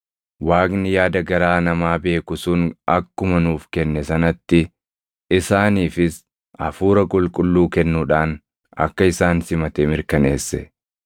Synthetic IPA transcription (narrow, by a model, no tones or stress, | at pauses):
waːknɪjaːd̪ɐɡɐɾaːnɐmaːbe̞ːkʊsʊnɐkːʊmɐnuːfkɛnːɛsɐnɐt̪ːɪ | ɪsaːniːfɪs | ʔɐ̰fuːɾɐkʼʊlkʼʊlːuːkɛnːuᶑaːn | ɐ̰kːɐɪsaːnsɪmɐt̪ɛmɪɾkɐne̞ːsːɛ